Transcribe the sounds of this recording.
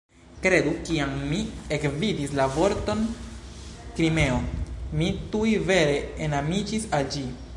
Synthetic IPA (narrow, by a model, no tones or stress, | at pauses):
kɾe̞dukiamːiekvidislavo̞ɾto̞n | kɾime̞omitujve̞ɾe̞enamid͡ʒisald͡ʒi